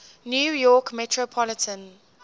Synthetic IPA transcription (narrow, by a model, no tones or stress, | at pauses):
njuːjɔːˑkmɛtʰɹopʰɔlɪtʰə̃n